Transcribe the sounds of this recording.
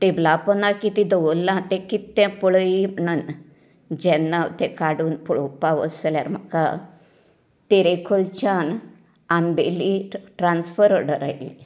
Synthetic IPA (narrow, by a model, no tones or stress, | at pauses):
ʈeblapənakit̪ĩd̪əʋəlːãt̪ẽkit̪ːɛ̃pəɭəim̤əɳun | d͡ʑɛ̃nːaʋt̪ɛ̃kaɽuːnpɔɭopaʋə̰səlja̰ɾm̤aka | t̪eɾekʰolt͡ɕan | ambeliʈɾansfəɾəɽəɾa̰jḭ